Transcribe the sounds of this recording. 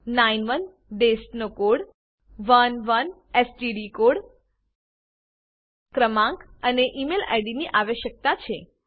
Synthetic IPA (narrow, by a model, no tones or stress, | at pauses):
nainʋən | ɖesʈnokoɽ | ʋənʋən | esʈiɖikoɽ | kɾəmãŋkəneʔimela̰jɖiniʔaʋeʃək̚t̪at͡ʃʰe